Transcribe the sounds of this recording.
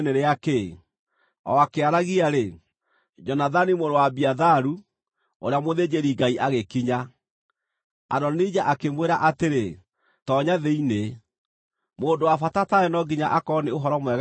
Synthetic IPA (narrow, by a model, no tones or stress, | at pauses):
neɾeake | ɔ̰akeaɾaɣiaɾe | d͡ʒɔnaðanimoɾowabiaðaɾu | oɾeamoðed͡ʒeɾiɡaiʔaɣekiɲa | a̰dɔnid͡ʒaʔakemweɾaʔateɾe | tɔɲaðeine | moːndowafatataɛnɔɡiɲaʔakɔneoɦɔɾɔmwɛɣ